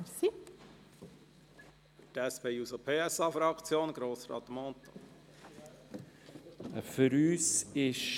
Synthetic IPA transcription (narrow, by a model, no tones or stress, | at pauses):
si | tɛspeːuzopʰeːɛsɑfɾɑkt͡sjoːnɡɾoːsɾɑ̰ːt̪mɔnt̪o̥̰ | fʏɾyːsɪʃ